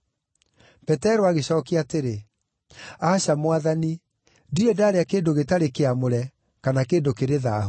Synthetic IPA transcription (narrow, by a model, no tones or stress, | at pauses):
pɛtɛɾoaɣeɕɔːkeateɾe | aɕamwaðani | ndiɾɛdaːɾeakeːndoɣetaɾekeamoɾɛ | kanakeːndokeɾeðaɦ